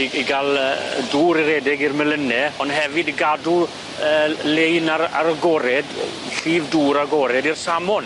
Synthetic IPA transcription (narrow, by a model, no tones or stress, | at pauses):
iiɡalˠəduːɾiɾɛdɪɡirmɛlənɛɔndɦɛvɨdɡadu | əːlejnaɾa̰ɾəɡɔɾɛdɬiːvduːɾaɡɔɾɛdirsamɔn